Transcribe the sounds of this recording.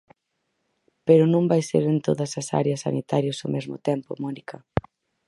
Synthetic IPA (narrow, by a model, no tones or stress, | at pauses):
peɾʊnõmbajsḛɾent̪oðɐsɐsa̰ɾjɐsːa̰nit̪aɾjɐsʊmezmʊ̰t̪ɛmpʊ̰mɔnikɐ